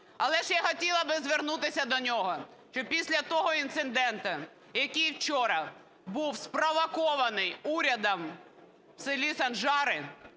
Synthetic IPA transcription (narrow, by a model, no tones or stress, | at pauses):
ɐlˠɛʃjaxɔtʲilˠɐbɪzʋernut̪ɪsʲɐd̪ɔnʲɔɦɔʃt͡ʃɔpʲisʲlʲɐt̪ɔɦɔint̪sɪnd̪ɛnt̪ɐ | jɐkʲijwt͡ʃɔɾɐ | buwspɾɔʋɐkɔʋɐnɪjuɾʲɐd̪ɐm | sɪlʲisɐnʒɑɾɪ